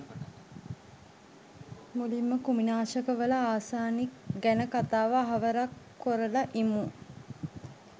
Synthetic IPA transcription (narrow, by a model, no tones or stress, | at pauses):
mulimːəkuminaːʃəkəʋəlaaːsaːnikɡænəkat̪aːʋaːɦɐʋəɾakːoɾəlaʔimu